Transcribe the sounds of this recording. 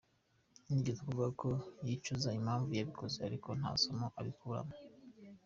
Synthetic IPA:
niɡezakuvuɡakʰojit͡ʃuzaimaːɱvujaβikʰo̞zeaɾikʰo̞n̥ha̰somoʔaβikuɾa̰mo

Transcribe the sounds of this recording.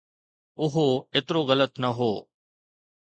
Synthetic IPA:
ʊɦoeːt̪ɪɾoɣɐlət̪nɐɦoː

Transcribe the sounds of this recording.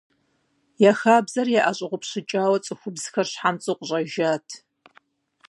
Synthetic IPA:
jaxaːbzɐrjaʔaɕʼɪʁʷʊpɕɪt͡ʃʼaːwɐt͡sʼɨxʷʊbz̥xɐrɕħamt͡sʼɨqʷʊɕʼɐʒaːtʰ

